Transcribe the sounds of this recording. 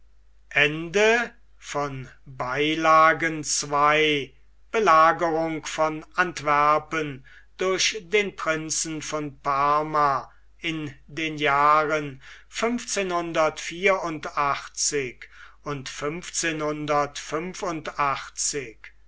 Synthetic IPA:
ʔɛndə | fɔnbaɪlaːɡənt͡svaɪ | b̥əlaːɡəʁʊŋkfɔnantv̥æɐpən | d̥ʊɐʃdeːnpʁ̥ɪnsn̩fɔnpaɐma | ɪndeːnjaːʁən | fʏmft͡seːnhʊndɐtfiːɐʊntaχt͡sɪk | ʊntfʏmft͡seːnhʊndɐtfʏmfʊntaχt͡sɪk

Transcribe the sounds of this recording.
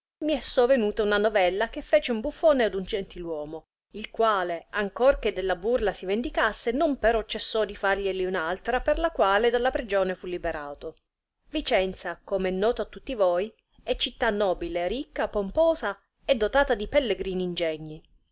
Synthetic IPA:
miɛsːovenuːt̪aunanovɛlːak̟efːeːt͡ʃeumbufːoːnead̪und͡ʒent̪ilwɔːmo | ilkwaːleaŋkorked̪ːelːaburlasivend̪ikasːenompeɾɔt͡ʃːesːɔd̪ifarʎeliunalt̪ɾaperlakwaːled̪alːapɾid͡ʒoːnefulːibeɾʔaːt̪o | vit͡ʃɛnt̪sakomɛnːɔːt̪oat̪ːut̪ːivoj | ɛt͡ʃːit̪ːanːɔːbilerikːapompoːza | ɛd̪ːot̪aːt̪ad̪ipelːeɡɾiːniːnd͡ʒɛɲːi

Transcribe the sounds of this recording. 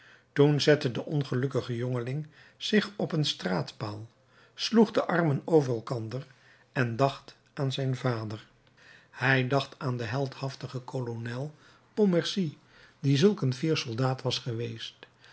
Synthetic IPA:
tunzɛtədəʔɔnχəlɵkəχəjɔŋəlɪŋ | z̥ɪχɔpənstraːtpaːlˠ | sluχdəʔɑrmənowvərɛlˠkɑndər | ɛndɑχt | aːnzɛjnvaːdəɹ | hɛjdɑχtaːndəɦɛlˠthɑftəχəkʰolonɛlˠ | pomɛɹsi | dizɵlˠkənviːɹsɔlˠdaːtʋɑsχəʋejst

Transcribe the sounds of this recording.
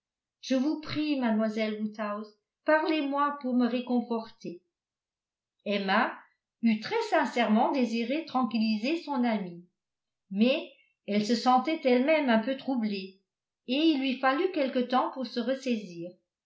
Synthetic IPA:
ʒ̥əvupχimad̪mwazɛlwut̪awz | paʁlemwapuʁməʁekɔ̃fɔʁt̪e | ɛma | yt̪χɛsɛ̃sɛʁmɑ̃d̪eziʁet̪χɑ̃kʲilizesɔ̃nami | mɛ | ɛlsəsɑ̃t̪ɛt̪ɛlmɛmɛ̃pøt̪χuble | eilːɥifalykʲɛlkət̪ɑ̃puʁsəʁəsɛziːʁ

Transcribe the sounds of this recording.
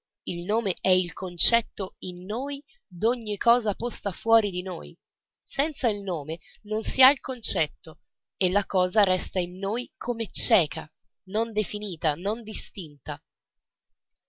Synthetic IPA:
ilnoːmeʔɛilkʰont͡ʃɛt̪ːoinːoːj | d̪oɲːikʰːɔːzapost̪afwɔːɾid̪ino̰ːj | sɛnt̪sailnoːmenonsiailkont͡ʃɛt̪ːo | elːakɔːzaɾɛst̪ainːoːjkʰomet͡ʃɛːkʰa | nond̪efiniːt̪anond̪ist̪int̪a

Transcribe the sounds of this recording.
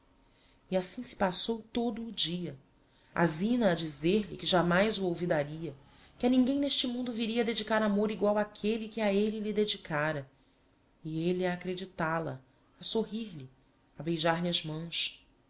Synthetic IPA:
iasĩsɪ̥pasowt̪od̪ʊːd͡ʒiɐ | a̰zĩnɐːd͡ʒizeɾlɪkɪʒamajzuowvid̪aɾiɐ | kɪɐnĩŋɡẽj̃neʃt͡ʃɪmũnd̪ʊviɾiɐd̪ed͡ʒikaɾamoɾiɡwawakʰelikɪaelilid̪ed͡ʒikʰaɾɐ | ieliaːkɾed͡ʒit̪alɐ̰ | ɐsoɦiɾli | abejʒaɾliɐzmɐ̃w̃s

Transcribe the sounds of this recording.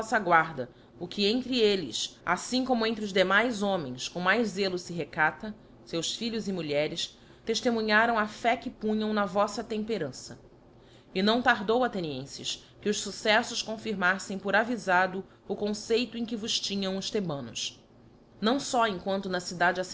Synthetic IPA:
sɐɡwaɾd̪ɐ | ʊkʰɪẽnt̪ɾɪelɪ̰sa̰sĩkõmʊẽnt̪ɾɪʊzd̪emajzõmẽj̃skõw̃majzzelʊsɪɦekat̪ɐ | sewsfiʎʊzɪmuʎɛɾɪs | t̪eʃt̪emũɲaɾɐ̃w̃ɐfɛkɪpũɲɐ̃w̃nɐvɔsɐt̪ẽmpeɾɐ̃sɐ | ɪnɐ̃w̃t̪aɾd̪owat̪eniḛ̃sɪ̰ʃ | kɪʊʃsusɛsʊʃkõfiɾmasẽj̃pʊɾavizad̪ʊ | ʊkõsejt̪ʊẽj̃kɪvʊʃt͡ʃĩɲɐ̃w̃ʊst̪ebɐ̃nʊ̰s | nɐ̃w̃sɔẽkwɐ̃nt̪ʊnɐsid̪ad͡ʒas

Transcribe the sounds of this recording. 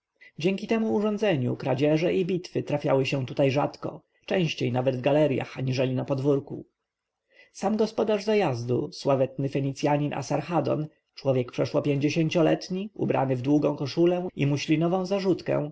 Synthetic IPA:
d͡ʑɛŋʲkʲit̪ɛmuːʐɔ̃nd̪zɛɲṵkɾad͡ʑɛʐɛibʲit̪fɘt̪ɾafʲjawɘɕɛ̃t̪ut̪ajʐat̪kɔ̰ | t͡ʂɛ̃w̃ɕt͡ɕejnavɛd̪vɡalɛɾja̰xaɲiʐɛlʲinapɔd̪vuɾkṵ | samɡɔspɔd̪aʐzajazd̪uswavɛt̪̚nɘfɛɲit̪sjaɲinʔa̰saɾxad̪ɔ̰n | t͡ʂwɔvʲjɛkpʂɛʂwɔpʲjeɲd͡ʑeɕeɲt͡ɕɔlɛ̰t̪ɲiṵbɾʔa̰nɘvd̪wuɡɔ̃w̃kɔʂulɛḭmuɕlʲinɔvɔ̃w̃zaʐut̪kɛ̰̃w̃

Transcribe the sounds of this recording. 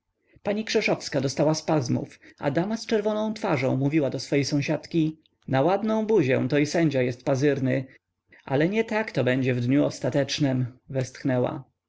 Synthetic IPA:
paɲikʂɛʂɔfskad̪ɔst̪awaspazmṵfʔa̰d̪amast͡ʂɛɾvɔnɔ̃w̃t̪faʐɔ̃w̃muvʲiwad̪ɔsfɔjejsɔ̃w̃ɕat̪kʲi | nawad̪nɔ̃w̃buʑɛ̰w̃t̪ɔisɛɲd͡ʑajɛst̪̚pazɘɾnɘ | a̰lɛɲɛt̪akt̪ɔbɛɲd͡ʑɛvd̪ɲuɔst̪at̪ɛt͡ʂnɘmvɛst̪xnɛwa̰

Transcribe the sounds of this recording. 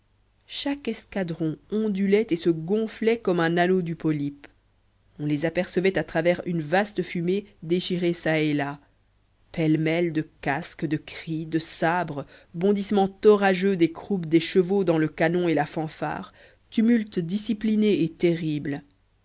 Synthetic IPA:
ʃakɛskad̪ʁɔ̃ɔ̃d̪ylɛt̪esəɡɔ̃flɛkɔmɛ̃nanod̪ypɔlip | ɔ̃lezapɛʁsəvɛt̪at̪χavɛʁynvast̪əfymed̪eʃiʁesaela | pɛlmɛld̪əkaskd̪əkχid̪əsabʁəbɔ̃d̪ismɑ̃t̪ɔʁaʒød̪ekχupd̪eʃəvod̪ɑ̃ləkanɔ̃elafɑ̃fa̰ːʁ | t̪ymylt̪d̪isiplineːt̪eʁibl

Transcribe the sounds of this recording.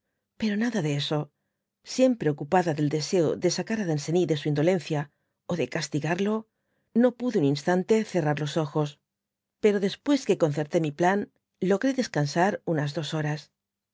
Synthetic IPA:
pe̞ɾo̞naðaðeeso̞ | sje̞mpɾe̞o̞kupaðaðe̞ld̪e̞se̞o̰ðe̞sakaɾaðense̞niðe̞suind̪o̞le̞nθja | oðe̞kast̪iɣaɾlo̞ | no̞puðuninst̪ant̪e̞θe̞raɾlo̞so̞xo̞s | pe̞ɾo̞ðe̞spwe̞ske̞ko̞nθe̞ɾt̪e̞miplan | lo̞ɣɾeðe̞skansaɾunazðo̞so̞ɾas

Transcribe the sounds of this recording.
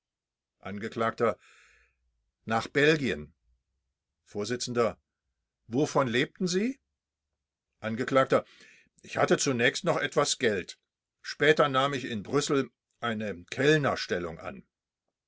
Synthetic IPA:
ʔanɡəklaːk̚tɐ | naːχb̥ɛlɡiən | foːɐzɪt͡sn̩dɐ | vofɔnleːp̚tn̩ziː | ʔanɡəkl̥aːk̚tɐ | ʔɪçhatət͡sunɛːçstnɔχʔɛtv̥asɡ̥ɛlt | ʃpɛːtɐnaːmɪçɪnbʁʏsl̩ | ʔaɪnəkʰɛlnɐʃtɛlʊ̰ŋʔa̰n

